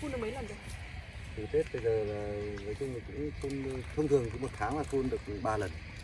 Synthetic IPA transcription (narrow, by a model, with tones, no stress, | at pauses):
fu˧nɗə˨˦mə˨˦jlə˨˩nɗə˨˦ | tɨ˨˩t̪ʰe˦˥t̚ɓə˧jzəː˨˩laː˨˩nəː˨˦jt͡ɕʊ˧wŋ͡mləː˨˩kʊ̰˧˥ŋ͡mfu˧n˧t̪ʰə˧wŋ͡mt̪ʰɨ˨˩əŋt͡ɕɨ˨˦mo˨˩t̚t̪ʰaː˨˦ŋlaː˨˩fu˧nɗɨ˨˩ək̚ɓaː˧lə˨˩n